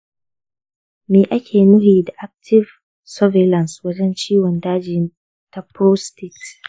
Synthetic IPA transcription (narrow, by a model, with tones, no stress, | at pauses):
meː˨ʔa˦kʲʰeː˨mʊ˦hiː˨da˨ʔa˦k̚tʰɪ˦v | sɔ˦ve˨lɐ˨nswɐ˦d͡ʒɛ˦nt͡ʃiː˦wɔ˨ndaː˦d͡ʒɪ˨˦n | ta˦pɾo˦stɪ˦˨ks